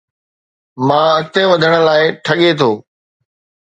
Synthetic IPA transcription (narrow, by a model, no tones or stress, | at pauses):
mãːɐt̪eʋɐd̪ʱəɽ̃ə̆laːɪʈʰɐɠet̪ʰoː